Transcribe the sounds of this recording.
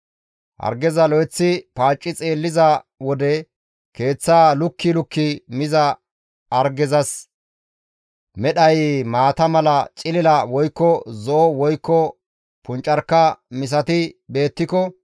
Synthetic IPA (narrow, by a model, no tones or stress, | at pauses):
ʔɐ̰ɾɡɛzɐlɔjɛt͡sːɪpaːt͡ʃʼːɪt͡sʼe̞ːlːɪzɐwɔd̪ɛ | ke̞ːt͡sːaːlʊkːɪlʊkːɪmɪzɐ | ɐɾɡɛzɐs | mɛɗɐjmaːt̪ɐmɐlɐt͡ʃʼɪlɪlɐwɔjkːɔzɔʔɔwɔjkːɔ | pʊnt͡ʃʼːɐɾkːɐmɪs̬ɐt̪ɪbe̞ːt̪ːɪkɔ